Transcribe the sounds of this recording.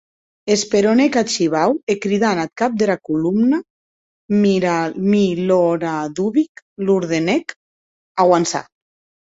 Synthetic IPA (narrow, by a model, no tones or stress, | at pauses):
espeɾonekat͡ʃiβawekɾiðanat̪̚kap̚d̪elakulumna | mɾamiloɾaðuβik | luɾðenɛk | aɣwansa̰